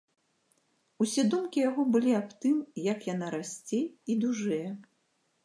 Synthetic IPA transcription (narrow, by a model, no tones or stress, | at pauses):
usʲɛd̪umkʲijaɣɔbɨlʲiapt̪ɨmjɐkjan̪aɾasʲt͡sʲejid̪uʐɛjɛ